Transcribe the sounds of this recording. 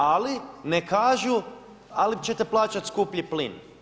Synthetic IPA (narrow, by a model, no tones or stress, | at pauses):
alinekʰaːʒu | alit͡ɕet̪eplˠaːt͡ʃat̪skupʎiplin